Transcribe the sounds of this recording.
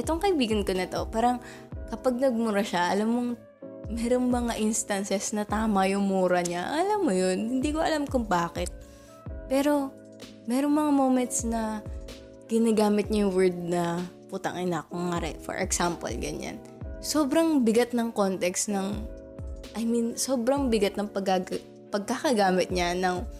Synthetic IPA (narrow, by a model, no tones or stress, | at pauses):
ʔɛt̪oŋkɐibiːɡɐnkonɐt̪o̞paːɾɐŋ | kɐpɐɡ̚nɐɡ̚mʊɾaʃaʔɐlamːoŋ | mɛːɾo̞ŋmɐŋaʔinst̪ɐnsɛsnɐt̪aːmɐjʊŋmuːɾɐɲaʔɐlamːojonhɪnd̪iːkoʔɐlamkʊŋbaːkɛt̪̚ | pɛːɾo̞ | mɛːɾo̞ŋmɐŋamo̞ːmɛnt̪̚snɐ | ɡ̥ɪnaɡaːmɪt̪̚ɲɐjʊŋwɛɹd̪̚nɐput̪ɐ̰ŋɪnɐkʊŋːaɾɛ̰ʔfɔ̰ɹʔɛ̰ksampo̰lɡɐ̰ɲa̰n | so̞ːbɾɐŋbɪɡat̪̚nɐŋko̞nt̪ɛksnɐŋ | ʔɐjminsoːbɾɐŋbɪɡat̪̚nɐŋpɐɡa | pɐɡ̚kakɐɡaːmɪt̪̚ɲanɐŋ